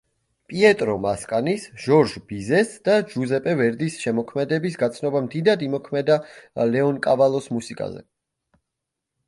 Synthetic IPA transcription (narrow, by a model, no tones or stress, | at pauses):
pʼiɛt̪ʼɾɔmaskʼanisʒ̥ɔɾʒb̥izɛsd̪̥ad͡ʒuzɛpʼɛvɛɾd̪isʃɛmɔkʰmɛd̪ɛbisɡat̪sʰnɔbamd̪id̪ad̪imɔkʰmɛd̪alɛɔnkʼavalˠɔsmusikʼa̰zɛ̰